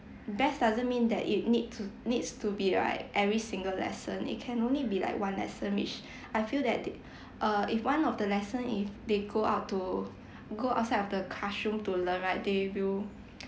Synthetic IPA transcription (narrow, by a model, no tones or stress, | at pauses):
bɛsdazə̃nmĩndɛ̰tḭt̚nid̚tunidstubiɹa̰ɪkʔɛvɹisĩŋɡəllɛ̰sə̃nḭt̚kʰɛ̃nõnlibila̰ɪkwãnlɛ̰sə̃nwḭt͡ʃ | ʔaɪfildɛt̚ | ʔʌifwãnɔfdəlɛsə̃nifdeɡoaʊtːu | ɡoa̰ʊtsaɪdɔfdəkʰaʃũmtulə̃nɹaɪt̚dewil